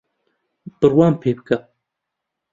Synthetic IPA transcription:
b̥ɨrwɑːmpʰeːbɨkɐ

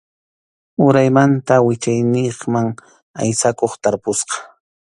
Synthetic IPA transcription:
ʊɾajmant̪awɪt͡ʃajnɪχmaŋ | a̰jsakoχt̪aɾpʊsqɑ̥

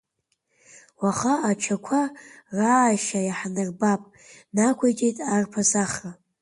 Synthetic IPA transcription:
waχaːt͡ʃʰakʷʰaraʃajaħnɨrbapʼ | nakʷʰajtʼejtʼarpʰazaχra

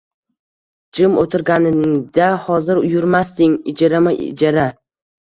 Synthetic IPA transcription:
d͡ʒɪmot̪ʰɪɾɡʲanɪd̪ahɒzɪɾʊjʊɾmast̪ɪŋɪd͡ʒaɾamaʔd͡ʒaɾa

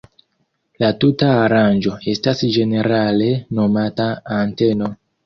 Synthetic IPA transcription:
latutaːɾand͡ʒo̞e̞stasd͡ʒe̞ne̞ɾale̞no̞mataːnte̞no̞

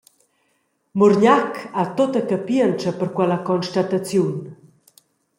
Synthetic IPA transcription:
muɾɲakʰat̪ot̪akapiənt͡ʃəpəɾkwɛləkɔnʃt̪at̪at͡sjun

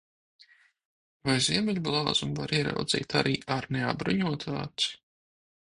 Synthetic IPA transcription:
vajziɛmʲɛʎʲblˠɑːzumvaɾiɛɾa̰wd̪z̥ḭːt̪aɾʔiːʔaɾnea̰bɾuɲuɔt̪ʰa̰ːt̪s

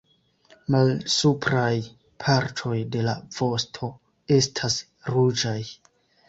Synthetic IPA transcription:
malsupɾaj | pʰaɾtʰo̞jde̞lav̥o̞stʰo̞ | e̞stʰas | ɾud͡ʒaj

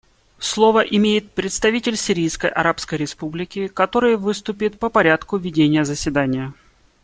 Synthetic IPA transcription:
slˠo̞vəʔɪmʲejɪt̪̚pɾʲɪt̪st̪ɐvʲitʲɪlʲsʲɪɾʲijskəjʔɐ̰ɾapskəjɾʲɪspublʲɪkʲɪkɐt̪o̞ɾɨjəvɨst̪ʊpʲɪt̪̚pəpɐɾʲat̪kʊvʲɪdʲenʲɪjəzəsʲvʲɪd̪anʲɪjə

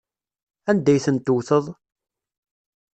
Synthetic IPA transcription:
ænd̪æjθənt̪ʊwθəðˤ

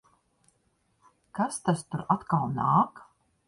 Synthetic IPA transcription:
kast̪ast̪uɾat̪kalˠnaːk

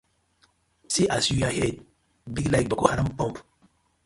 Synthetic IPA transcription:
siʔasjujahɛd̚ | biɡlajk̚bakohaɾãmpɔ̃mp

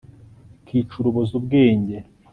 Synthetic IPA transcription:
kʰiːt͡ʃuɾuβozubɡeːɲɟe

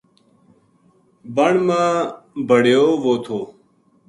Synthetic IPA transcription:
bəɳmãːbʱəɽjoːʋoːt̪ʰoː

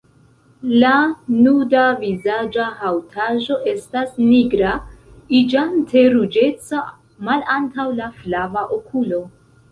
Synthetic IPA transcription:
lanudavizad͡ʒahawtʰaʒo̞ʔe̞stasniɡɾaid͡ʒantʰe̞ɾud͡ʒe̞t͡sa | malantawlaflavaʔokʰulo̞

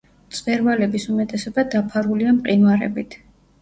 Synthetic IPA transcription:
t̪sʼvɛɾvalɛbisumɛt̪ʼɛsɔbad̪apʰaɾuliamqʼinwaɾɛ̰bit̪ʰ

